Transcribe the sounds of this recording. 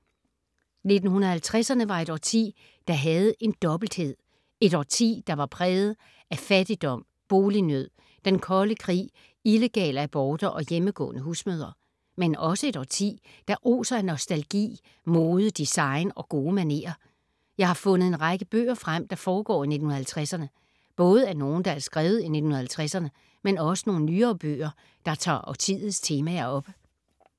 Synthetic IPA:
ne̝d̥n̩hunɐð̩ˠhælt͡sʰʁɛsɐnəʋɑ̈e̝ɾ̥ɒ̰t͡sʰḭː | d̥ɑ̈ɦæð̞̩ˠe̝nd̥ɒ̽b̥l̩d̥he̝ð̞̰ˠ | e̝ɾɒːt͡sʰḭːd̥ɑ̈ʋɑ̈pʰʁɛːð̩ˠ | æfæd̥id̥ɒ̽m̰ | b̥o̝ːlinøð̰ˠ | d̥enkʰɒ̽ləkʰʁḭː | ile̝ɡ̥ɛ̰ːləæb̥ɒːd̥ɐʔɒ̽jeməɡ̥ɔ̰̽ːnəɦuːsmøːðˠɐ | menɒ̽səe̝ɾ̥ɒ̰ːt͡sʰḭː | d̥ɑʔo̝̰ːsɐæɐnɒsd̥ælɡ̥ḭː | moːðˠəd̥isɑ̈ɪnɒ̽ɡ̥o̝ːmæne̝̰ːɐ | jɑ̈ɪhɑ̈fɔ̽nð̩ˠe̝nʁɑɡ̥əb̥ø̰ːɐfʁam̰d̥ɑ̈fɒːɡ̥ɒ̰ːine̝d̥n̩hunɐhælt͡sʰʁasɐnə | b̥ɔ̽ːð̞̩ˠæɐno̝ːn̩d̥ɑ̈æɐsɡ̥ʁɛːʊð̞̩ˠine̝d̥n̩hunɐhælt͡sʰʁæsɐnə | menɒ̽sə̥no̝ːn̩nyːɐːb̥ø̰ːɐ | d̥ɑ̈t͡sʰɑ̰̈ːɒt͡sʰið̰̩ˠst͡sʰe̝ːmæɐɒ̽b̥ə

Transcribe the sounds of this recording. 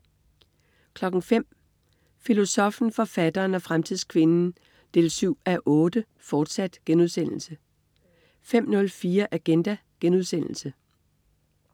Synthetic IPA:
kʰlɒ̽ɡ̥n̩fem̰ | filo̝sɒ̽fn̩fɒ̽fæd̥ɐːnæfʁamt͡sʰið̞̰ˠskʰʋe̝nn̩ | d̥e̝ːlsyʊ̰æʔɔ̽ːd̥ə | fɒːd̥sæd̥ɡ̥enuðˠsen̰l̩sə | fem̰nɔ̽lfiːɐʔæɡ̥end̥æ | ɡ̥enuð̞̰ˠsen̰l̩sə

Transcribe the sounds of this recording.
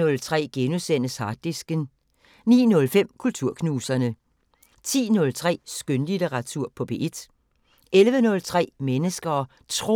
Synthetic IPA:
ɔ̽lt͡sʰʁɛ̰ːɡ̥enusen̰əshɑd̥isɡ̥ən | nḭːnɔ̽lfem̰kʰult͡sʰuɐ̰kʰnuːsɐnə | t͡sʰḭːnɔ̽lt͡sʰʁɛ̰ːsɡ̥ønlit͡seʁɑ̈t͡sʰuɐ̰pʰɒ̽b̥e̝ʔed̥ | ʔelʋənɔ̽lt͡sʰʁɛ̰ːmenəsɡ̥ɐː | t͡sʰʁo

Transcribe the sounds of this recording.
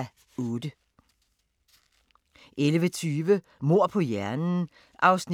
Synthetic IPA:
odə | ʔelʋət͡sʰyːʋə | mo̝ɐ̰pʰɒ̽jæɐnn̩ | ʔɑ̈ʊsn

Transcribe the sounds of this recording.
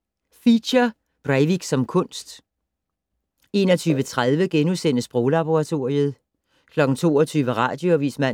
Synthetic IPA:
fiɐ | b̥ʁaɪʋiɡ̥sɒ̽mkʰɔ̽n̰sd̥ | e̝ːnɒt͡sʰyːʋət͡sʰʁaðˠʋəɡ̥enusen̰əsb̥ʁɔːlɑ̈b̥o̝ʁɑ̈t͡sʰo̝ɐiəð̞̩ˠ | kʰlɒ̽ɡ̥n̩t͡sʰo̝̰ːɒt͡sʰyːʋəʁɑ̈ːd̥joæʋiːsmæ

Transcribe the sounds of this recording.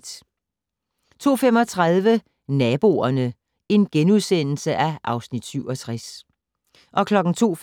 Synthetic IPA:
t͡sʰo̝̰ːfem̰ɒ̽t͡sʰʁað̞ˠʋə | nɛːb̥o̝̰ːɐnə | e̝nɡ̥enuðˠsen̰l̩səʔæʔɑ̈ʊsnid̥syʊɒ̽t͡sʰʁas | ʔɒ̽kʰlɒ̽ɡ̥n̩t͡sʰo̝̰ː

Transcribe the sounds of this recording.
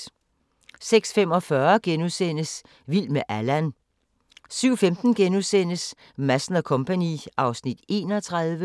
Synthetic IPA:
seɡ̥sfemɒ̽fɶɐɡ̥enuðˠsen̰əs | ʋil̰meʔælæn | syʊ̰femd̥n̩ɡ̥enusen̰əs | mæsn̩ɐkʰɔ̽mpʰænḭʔɑ̈ʊsnid̥e̝̰ːnɒ̽t͡sʰʁɑðˠʋə

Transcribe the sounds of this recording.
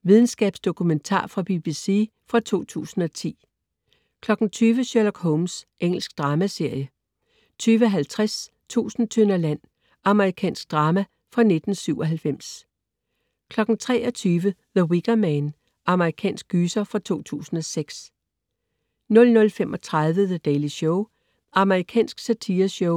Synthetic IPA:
ʋið̞ˠn̩sɡ̥ɛ̰ːb̥sd̥o̝kʰument͡sʰɑ̰̈ːfʁɑ̈b̥ib̥isḭ | fʁɑ̈t͡sʰo̝̰ːt͡sʰṵːsn̩ɒ̽t͡sʰḭː | kʰlɒ̽ɡ̥n̩t͡sʰyːʋəɕølɒɡ̥ɦɔʊmsʔeŋ̰l̩sɡ̥d̥ʁɑ̈ːmæse̝ɐ̰jə | t͡sʰyːʋəɦælt͡sʰʁas | t͡sʰṵːsn̩t͡sʰønɐlæn̰ | ɑ̈məʁikʰɛ̰ːnsɡ̥̚d̥ʁɑ̈ːmæ | fʁɑ̈ne̝d̥n̩syʊ̰ɒ̽ɦælfem̰s | kʰlɒ̽ɡ̥n̩t͡sʰʁɛ̰ːɒ̽t͡sʰyːʋəðəwiɡ̥ɐmæn | ɑ̈məʁikʰɛ̰ːnsɡ̥yːsɐfʁɑ̈t͡sʰo̝̰ːt͡sʰṵːsn̩ɒ̽seɡ̥s | nɔ̽lnɔ̽lfemʔɒ̽t͡sʰʁɑðˠʋəðəd̥ɛːliɕɔʊ | ʔɑ̈məʁikʰɛ̰ːnsɡ̥sæt͡sʰiːɐɕɔʊ

